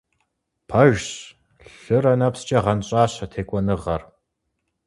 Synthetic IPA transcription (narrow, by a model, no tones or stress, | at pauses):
pʰɐʒɕ | ɬɨɾɐnɐpst͡ʃʼɐʁɐnɕʼaːɕɐtʰeːkʷʼɔnɨʁɐr